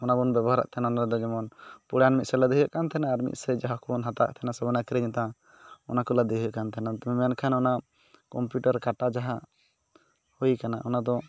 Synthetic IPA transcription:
ɔnabɔnbɛbɔɦaɾa̰ʔt̪ʰɛnaɔnaɾɛd̪ɔd͡ʒɔmɔnpuɽanmit̪̚sɛlɛd̪ɛɦujaʔkant̪ʰɛnaːɾmḭt̪̚sɛd͡ʒaɦakʰɔnɦat̪a̰ʔ̚t̪ʰɛnasɔbɔnakɾɛɲt̪ã | ɔnakɔlad̪ɛɦujaʔkant̪ʰɛnat̪ɔmɛmɛankʰanɔna | kɔmpjuʈaɾkaʈad͡ʒaɦa | hujkanaʔɔnad̪ɔ

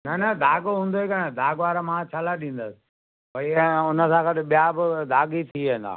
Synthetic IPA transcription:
nɐnɐd̪ʱaːɡɦũːnd̪oɦekanãd̪ʱaːɡʋaːɾamãt͡ɕʰalaɗĩːn̆d̪əsɪ̥ | pɐiɛ̃ʊnəsãkɐɗɪɓijabɪd̪ʱaːɡit̪ʰiẽːn̆d̪a̰ː

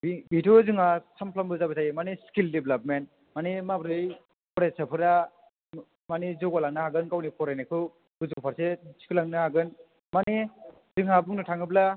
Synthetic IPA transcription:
bbitʰozɯŋasampʰlambɯzabɯtajmaneskildeblap̚men | manemabɾɯj | pʰɔɾesapʰɯɾa | manezɔɡalaŋnahaɡɯnkawnipʰɔɾanekʰɯ | ɡɯzupʰaɾsesi̥kʰɯlaŋnɯhaɡɯn | mane | zɯŋabuŋnɯtʰaŋɯbla

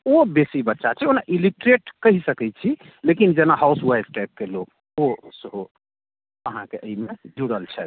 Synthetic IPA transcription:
obesibət̪ːʃat͡ʃʰɛonaʔiliʈɾeʈkəɦisəkɛt͡ʃʰi | lekind͡ʒenaɦauswajsʈajp̚kelok | osəɦo | əɦãkeʔəimed͡ʒuɽəlt͡ʃʰɛ̰t̪

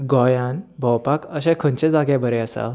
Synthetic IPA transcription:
ɡɔjãnbʱəwpakəɕɛ̃kʰə̃nt͡ɕed͡zaɡjabəɾeəsa̰

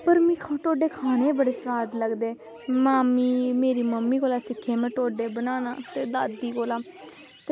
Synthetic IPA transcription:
pəɾmĩːkʰʈoːɖeːkʰaːneːbəɽeːsʋaːd̪ləɡd̪eː | maːmiːmeːɾiːməmːiːkoːlaːsɪkʰːeːmɛ̃ːʈoːɖeːbənaːna̰ːt̪eːd̪aːd̪iːkoːlaː | t̪

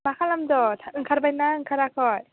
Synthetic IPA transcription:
makʰalamdɔtʰaɯŋkʰaɾbajnaɯŋkʰaɾakʰɔj

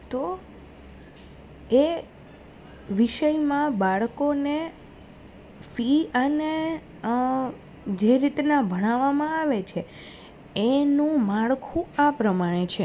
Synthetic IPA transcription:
t̪o | e | ʋiʃəjmãbaɭkone | fiəne | d͡ʒeɾit̪nabʱəɽ̃aʋamãaʋet͡ʃʰe | enũmaɭkʰũapɾəmaɽ̃et͡ʃʰe

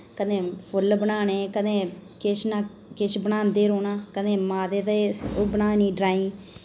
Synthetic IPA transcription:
kəd̪ẽːpʰʊlbənaːnẽːkəd̪ẽːkɪʃnãː | kɪʃbənaːnd̪eːɾoːnaːkənẽːmaːd̪eːt̪əeobənaːnĩːɖɾaːĩː

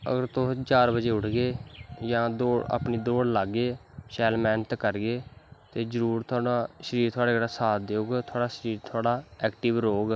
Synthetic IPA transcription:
ə̰ɡəɾt̪oːt͡ʃaːɾbəd͡ʒeːʊʈʰɡeːjãːd̪oːa̰pniːd̪oːɽlaːɡːeːʃɛːlmɛːnət̪kəɾɡeːt̪eːd͡ʒəɾuːɾt̪ʰʊaːɽaːʃəɾiːɾt̪ʰoaːɽeːɡɾaːsaːd̪eoːɡt̪ʰʊaːɽaːʃəɾiːɾt̪ʰoaːɽaːɛːkʈɪʋɾoːɡ

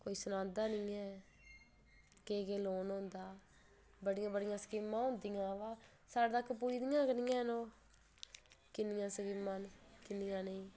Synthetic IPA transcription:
koːiːsʊnãːd̪aːnɪiːɛː | keːkeːloːnɦʊ̃nd̪aː | bəɽɪjãːbəɽɪjãːsə̥kimːãːɦʊ̃ːnd̪ijãːʋaː | saːɽd̪aːkːp̬uːd͡ʒd̪ɪjãːkənɪjãːnõː | kɪnɪjãːsəkiːmãːnkɪnɪjãːnəĩː

